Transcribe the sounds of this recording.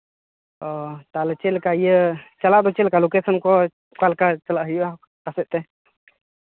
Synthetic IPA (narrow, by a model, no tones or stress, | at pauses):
ɔt̪alɛt͡ʃɛlkajət͡ʃalaʔd̪ɔt͡ʃɛlkalokesənkɔ | kalkat͡ʃəlaʔɦja | kasɛʔ̚t̪ɛ